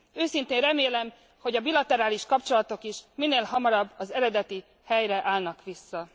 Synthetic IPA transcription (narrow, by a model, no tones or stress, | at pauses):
øːsint̪eːnrɛmeːlɛm | ho̞ɟɒbilɒt̪ɛɾaːliʃkɒpt͡ʃo̞lɒt̪o̞kiʃmineːlɦɒmɒɾɒbːɒzɛɾɛd̪ɛt̪i | hɛjrɛʔaːlnɒkʋisːɒ